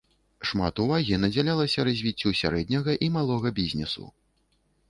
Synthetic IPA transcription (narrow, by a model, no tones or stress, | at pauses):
ʂma̰t̪uvaɣʲinɐd͡zʲalʲalˠɐsʲɐɾɐzʲvʲit͡sʲːusʲaɾɛd̪ʲnʲɐɣɐʔimalˠɔɣɐbʲizʲnʲɛsṵ